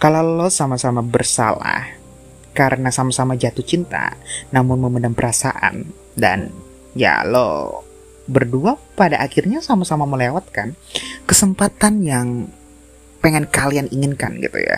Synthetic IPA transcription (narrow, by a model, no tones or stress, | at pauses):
kalalosamasamabərsa̰la̰h | kaɾənasamasamad͡ʒat̪uht͡ʃint̪a̰namʊnməmədaŋpəɾasa̰ʔa̰n | da̰n | ja̰lo̰ | bərduapadaʔakɪrɲasamasamaməlewat̪̚kankəsəmpat̪anjaŋ | pəŋɛnkalianiŋɪnka̰nɡḭt̪ṵja̰